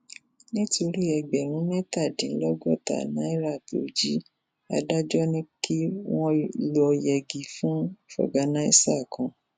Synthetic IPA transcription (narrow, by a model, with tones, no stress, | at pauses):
nĩ˦to˧ɾi˦ɛ˧ɡ͡bɛ˨ɾ̃ũ˨˦mɛ̃˦ta˦˨dĩ˨˦lɔ˦ɡɔ˦˨ta̰˨nã˨˦i˦ɾa˦˨to̰˨˦d͡ʒi˦ | a̰˧da˦d͡ʒɔ˦nĩ˦ki˦w̃ɔ̃˦lo˦ɔ˧jɛ˧ɡi˨fũ˦fɔ̰˨ɡa˨˦nã˦ḭ˦sa˦˨kɔ̃˧